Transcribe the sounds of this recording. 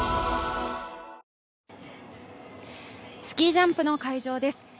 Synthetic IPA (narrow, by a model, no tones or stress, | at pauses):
sɨ̥kʲiːʑãmpɯ̟no̞kaiʑo̞ːd̪e̞sɨ̥